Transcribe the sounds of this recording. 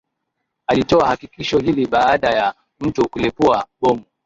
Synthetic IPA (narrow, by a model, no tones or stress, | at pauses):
alitɔahakikiʃɔhiliɓaːɗaja | m̩tukulɛpuaɓɔmu